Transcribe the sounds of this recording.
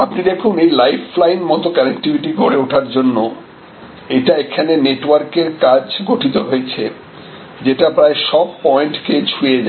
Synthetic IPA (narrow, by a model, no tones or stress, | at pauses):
apnid̪ekʰunejlajflajnmɔt̪okɛnek̚ʈibiʈikoɾeuʈʰaɾd͡ʑonːo | eʈaekʰaneneʈwaɾkeɾkad͡ʑɡoʈʰit̪oɦoet͡ɕʰe | d͡ʑeʈapɾaeʃɔb̚pɔeɳʈket͡ɕʰued͡ʑa